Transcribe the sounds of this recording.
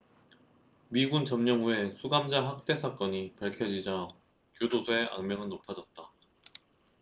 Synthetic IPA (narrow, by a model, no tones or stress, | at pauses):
miɡunt͡ɕʌmɲʌŋue̞sʰuɡamd͡ʑaɦak̚t͈e̞sʰak͈ʌɲipaɭkʰjʌd͡ʑid͡ʑa | kjodosʰoe̞ʔa̰ŋmjʌŋɯnnopʰad͡ʑʌt̚t͈a